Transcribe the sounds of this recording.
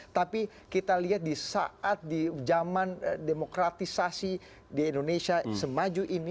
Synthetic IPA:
t̪api | kit̪aliɦat̪̚disa̰ʔat̪̚did͡ʒamandemokɾat̪isasi | diːndonesiasəmad͡ʒuʔini

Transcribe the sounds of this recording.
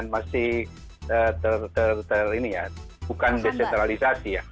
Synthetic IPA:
nmasɪh | ət̪ərt̪ərt̪ərinija | bukandesɛnt̪ɾalisasija

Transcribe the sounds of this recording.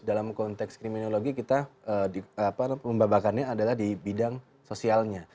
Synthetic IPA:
dalamkɔnt̪ɛkskɾiminoloɡikit̪aəiapaməmbabakanɲaːdalahdibidaŋ | sosialɲa

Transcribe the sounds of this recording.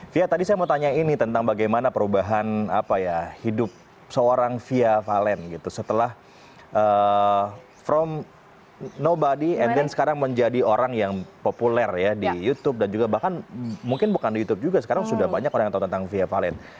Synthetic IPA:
fiat̪adisajamət̪aɲainit̪ənt̪aŋbaɡajmanapəɾubaɦanapajahidʊp̚ | səoɾaŋfiafalɛnɡit̪usət̪əlah | ʔəː | fɾɔm | nobadiɛndɛnsə̥kaɾaŋməɲd͡ʒadioɾaŋjaŋpopulɛrjadijut̪ʊp̚dand͡ʒuɡabahkanmuŋkɪnbukandijut̪ʊp̚d͡ʒuɡasəkaɾaŋsudahbaɲakoɾaŋjŋt̪aut̪ənt̪aŋfiafalɛn

